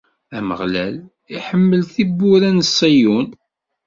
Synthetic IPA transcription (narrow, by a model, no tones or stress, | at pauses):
æmə̰ʁlæl | iħəmːəlθibːʊɾænəsˤːijun